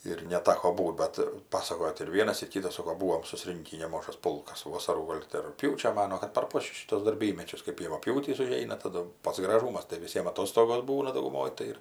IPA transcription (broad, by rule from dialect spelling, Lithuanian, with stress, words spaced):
ɪr nʲɛˈtɑːkoː ˈbuːt ˈbɐt ˈpɑːsɐkoːjoː tɐɪ ɪr ˈʋʲiɛnɐs ɪr ˈkʲiːtɐs ˈsoːkoː ˈbuːʋoːm sʊˈsʲrʲɪŋʲkʲiː nʲɛˈmɑːʒɐs ˈpʊlˠkɐs ˈʋoːsɐruː ˈɡoːlˠ tʲɪ rʊkˈpʲjuːt͡ʃʲoː ˈmɑːnuɔ kɐt pʲɛr ˈpoːt͡ʃʲʊs ˈʃʲiːtuɔs dɐrʲˈbʲiːmʲɛt͡ʃʲʊs kɐɪp jɛʋɐpʲˈjuːtʲiːs ʊˈʒʲɛɪnɐ tɐˈdʊ ˈpɐts ɡrɐˈʒuːmɐs tɐɪ ʋʲɪˈsʲiɛm ɐˈtoːstoːɡoːs ˈbuːnɐ dɐʊɡʊˈmoːj tɐɪ ˈɪr